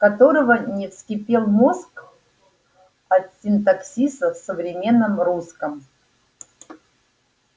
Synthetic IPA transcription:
kɐt̪oɾəvənʲɪfskʲɪpʲelˠmosk | ɐt̪sʲɪnt̪aksʲisəfsəvɾʲɪmʲe̞nːəmruskəm

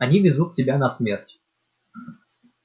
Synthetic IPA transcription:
ɐnʲivʲɪzut̪̚tʲɪbʲanɐsmʲertʲ

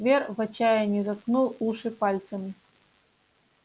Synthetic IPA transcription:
vʲervɐt͡ɕajɐnʲɛzɐt̪knulˠuʂɨpalʲt̪sɐmɨ

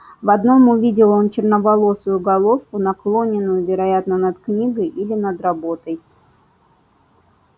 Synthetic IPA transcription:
vɐd̪no̞mʊvʲidʲɪlˠo̞nt͡ɕɪrnəvɐlˠo̞sʊjʊɡɐlˠo̞fkʊnɐklˠo̞nʲɪnːʊjʊvʲɪɾɐjat̪nənɐt̪knʲiɡəjʔilʲɪnəd̪ɾɐbo̞t̪əj

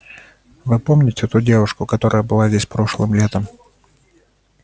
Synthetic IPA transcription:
vɨpomnʲɪtʲɪt̪udʲe̞vʊʂkʊkɐt̪o̞ɾʔəjəbɨlˠazʲdʲesʲpɾo̞ʂlˠɨmlʲe̞t̪əm

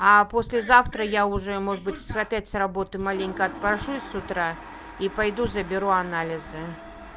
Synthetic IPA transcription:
ɐpɔsʲlʲɪzawt̪ɾɐjauʐɛmɔʐəbɨt͡sʲszapʲæt͡sʲsrabɔt̪ɨmalʲenʲkɐɐt̪̚pɾaʂusʊt̪ɾa | ipajd̪uzɐbʲɪɾuanalʲɪzɨ

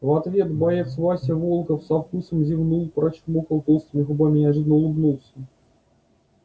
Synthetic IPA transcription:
vɐt̪vʲet̪bɐjefsvɑsʲɐvolˠkəfsɐfkusəmzʲivnulˠpɾɐt͡ɕmokɐlˠt̪ost̪mʲɪxʊbamʲɪnʲɐʐɨd̪nəlˠʊbnulˠsʲɐ

